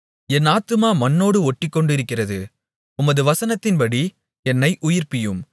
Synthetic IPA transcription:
ɛnaːt̪ɯmaːmɐnːoːɽɯɔʈːɪkːɔɳɖɪɾɯkːɪrɐðɯ | ʊmɐðɯʋɐsɐnɐt̪ːɪnpɐɽi | ɛnːɐɪʔʊjɪrpɪjɯm

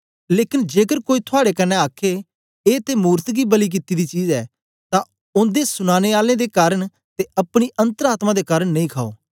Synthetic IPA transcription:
leːkɪnd͡ʒeːkəɾkoːit̪ʰʊaːɽekənːɛaːkʰe | eːt̪emuːɾt̪ɡibəlik̬ɪt̪ːid̪it͡ʃiːzɛː | t̪ã | ʊ̃nd̪esʊñaːneaːlẽːd̪ekaːɾəɳ̃ | t̪eʔɐpɽ̃iʔə̃nt̪əɾaːt̪mãd̪ekaːɾəɳnɐĩːkʰaːo̰ː

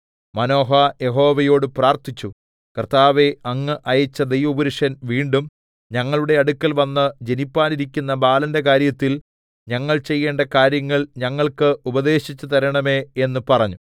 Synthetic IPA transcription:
mɐno̞ːɦaje̞ɦo̞ːʋɐjo̞ːɽɨpraːrt̪it͡ɕːu | krt̪aːʋe̞ɐŋːɨʔɐjɐt͡ɕːɐd̪e̞jʋɐubɐɾiʂɐnʋiːɳɖum | ɲɐŋːɐɭuɽe̞ɐɽukʲːɐlʋɐnːɐd͡ʑe̞nipːaːniɾikʲːunːɐbaːlɐnde̞k̬aːɾjɐt̪ːil | ɲɐŋːɐɭt͡ɕe̞jːe̞ːɳɖɐkaːɾjɐŋːɐɭɲɐŋːɐɭkɨubɐd̪e̞ːɕit͡ɕːut̪ɐɾɐɳɐme̞ːenːɨpɐrɐɲːu

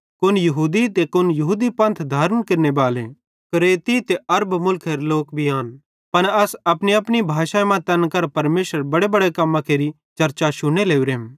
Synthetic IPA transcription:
kʊnjɐɦuːd̪it̪ekʊnjɐɦuːd̪ipɐ̃nt̪ʰd̪ʱaːɾənkɪɾnebaːle | kɾeːt̪it̪eɐɾbmʊlkʰeɾloːkbʱiaːn | pɐnɐsɐpniɐpɽibʱaːʃamãt̪ɐnkɐɾpɐɾmeːʃəɾbɐɽebɐɽekɐmːãkʰeːɾi | t͡ʃɐɾt͡ʃaʃʊɽ̃eleːuɾeːm

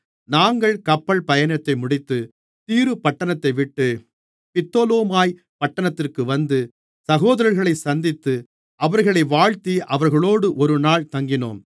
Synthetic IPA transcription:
naːŋɡɐɭkɐpːɐɭpɐjɐnɐt̪ːɐɪmʊɽɪt̪ːɯ | t̪iːɾɯpɐʈːɐɳɐt̪ːɐɪʋɪʈːɯ | pɪt̪ːoːloːmaːj | pɐʈːɐɳɐt̪ːɪrkɯʋɐnd̪ɯ | sɐɣoːðɐɾɐɾɣɐɭɐɪsɐnd̪ɪt̪ːɯ | ʔɐʋɐɾɣɐɭɐɪʋaːɭt̪iʔɐʋɐɾɣɐɭoːɽɯʔɔɾɯnaːɭt̪ɐŋɡɪno̰ːm

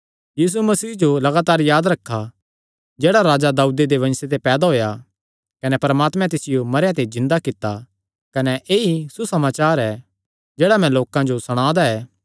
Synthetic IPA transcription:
jiːs̬umɐsiːd͡ʒolɐɡaːt̪aːɾjaːd̪ɾɐkʰːa | d͡ʒeːɽaɾaːd͡ʒad̪aːuːd̪ed̪eʋɐ̃nset̪̬epɛːd̪aɦoːja | kɐnɛpɐɾmaːt̪mɛ̃t̪̬ɪsɪjomɐɾjãt̪ed͡ʒɪ̃nd̪akɪt̪ːa | kɐnɛʔeːisusɐmaːt͡ʃaːɾɛ | d͡ʒeːɽamɛ̃loːkãd͡ʒosɐɽ̃aːd̪aɛː

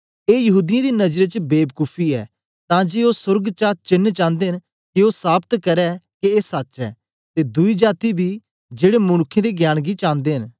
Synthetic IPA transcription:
eːjɐɦuːd̪ɪjãd̪inɐd͡ʒɾet͡ʃbeːbkupʰiɛ̰ː | t̪ãːd͡ʒeːoːsʊɾɡt͡ʃaːt͡ʃɪnt͡ʃãːnd̪ẽːn | kioːsaːbt̪kɐɾɛkieːsɐt͡ʃɛ̰ː | t̪ed̪ʊid͡ʒaːt̪ibʱi | d͡ʒeːɽemʊɽ̃ʊkʰːẽd̪eɡjaːɽ̃ɡit͡ʃãːnd̪eːɦɪn

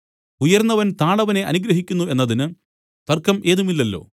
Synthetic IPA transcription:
ujɐrnːɐʋɐnt̪aːɳɐʋɐne̞ʔɐnuɡɾɐɦikʲːunːue̞nːɐðinɨ | t̪ɐrkːɐmʔe̞ːðumilːɐlːo̞̰ː

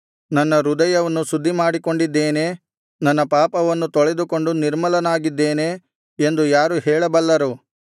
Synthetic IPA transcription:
nɐnːɐɾud̪ɐjɐʋɐnːusud̪ʱːimaːɽiko̞ɳɖid̪ːeːneː | nɐnːɐpaːpɐʋɐnːut̪ɔɭɛd̪uko̞ɳɖuniɾmɐlɐnaːɡid̪ːeːneː | end̪ujaːɾuɦɛːɭɐbɐlːɐɾu

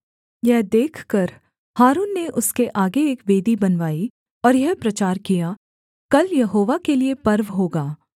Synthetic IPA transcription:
jɛɦd̪eːkʰkəɾ | haːɾuːnːeʔʊskeʔaːɡeeːkʋeːd̪ibɐnʋaːi | ɔːɾjɛɦpɾɐt͡ʃaːɾkija | kɐljɐɦoːʋakeliepɐɾʋɦoːɡaː

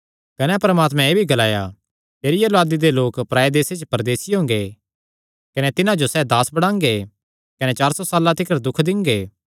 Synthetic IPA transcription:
kɐnɛpɐɾəmaːt̪mɛ̃eːbʱiɡɐlaːja | peːɾɪjɐloaːd̪id̪eloːkpɾaːed̪eːset͡ʃpɐɾd̪eːsiɦõːŋɡe | kɐnɛt̪ɪnãd͡ʒosɛːd̪aːsbɐɽ̃ãːŋɡe | kɐnet͡ʃaːɾsɔsaːlãt̪ɪkəɾd̪ʊkʰd̪ɪ̃ŋɡeː

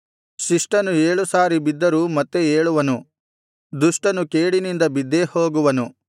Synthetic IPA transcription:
ʃiʂʈɐnue̞ːɭusaːɾibid̪ːɐɾuːmɐt̪ːeeːɭuʋɐnu | d̪uʂʈɐnukeːɽinind̪ɐbid̪ːeho̞ːɡuʋɐnu

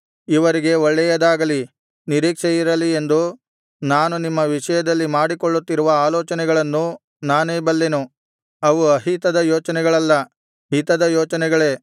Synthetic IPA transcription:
iʋɐɾiɡe̞ɔɭːɛjɐd̪aːɡɐli | niɾiːkʂɛjiɾɐlie̞nd̪u | naːnunimːɐʋiʂɐjɐd̪ɐlːimaːɽikɔɭːut̪ːiɾuʋɐaːlɔːt͡ʃɐnɛɡɐɭɐnːu | naːneːbɐlːenu | ɐʋuɐɦit̪ɐd̪ɐjoːt͡ʃɐnɛɡɐɭɐlːɐ | ɦit̪ɐd̪ɐjɔːt͡ʃɐnɛɡɐɭe̞ː

